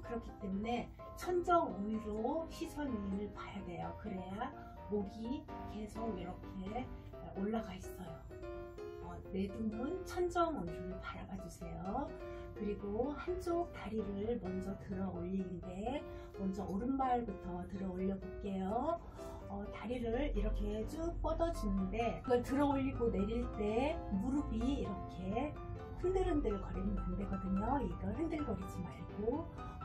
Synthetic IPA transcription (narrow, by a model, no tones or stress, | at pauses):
kɯɾʌkʰit͈e̞mune̞ | t͡ɕʰʌnd͡ʑʌŋʌɲiɾoɕisʰʌninɯɭpajadwe̞jokɯɾe̞ja | moɡike̞sʰoɡiɾʌkʰe̞ː | oɭːaɡais͈ʌjo | ʌne̞dumɯnt͡ɕʰʌnd͡ʑʌŋʌmiɾoɾɯɭpaɾaɡad͡ʑusʰe̞jo | kɯɾiɡohand͡ʑok̚t͈aɾiɾɯɭmʌnd͡ʑʌtɯɾʌoʎːinnde̞ | mʌnd͡ʑʌʔoɾɯnmaɭbutʰʌtɯɾʌoʎːʌbok͈e̞jo | ʌtaɾiɾɯɭiɾʌkʰe̞t͡ɕ͈up͈ʌdʌd͡ʑinːɯnde̞ɯɡʌɭtɯɾʌoʎːiɡone̞ɾiɭt͈e̞muɾɯbiːɾʌkʰe̞ | hɯndɯɾɯndɯɾkʌɾinɯnande̞ɡʌdɯɲoiɡʌɭɦɯndɯɭɡʌɾid͡ʑimaɭɡo